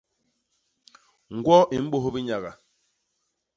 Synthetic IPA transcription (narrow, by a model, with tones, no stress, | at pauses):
ŋ̩˨ɡwɔ˦ʔi˨m̩˦ɓo˦˨ɦo˦bi˦ɲa˨ɣa̰˨